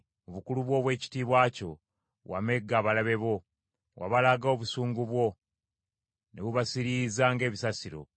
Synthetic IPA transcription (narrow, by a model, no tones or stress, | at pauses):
oβukuluβwo̞ːβwe̞ːci̥tiːβwaːco̞ | wa̰me̞ɡːaːβalaβe̞βo̞ | wʔa̰βalaɡoβusuːŋɡuβwo̞ | neβuβasiɾizaŋɡe̞ːβisasiɾo̞̰